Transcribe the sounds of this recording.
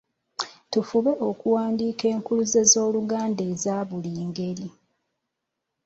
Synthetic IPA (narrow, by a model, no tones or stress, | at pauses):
tufuβe̞ʔo̞kuwaːndiːke̞ːŋkuluzezo̞ːluɡaːnde̞ːzaːβuliːŋɡe̞ɾi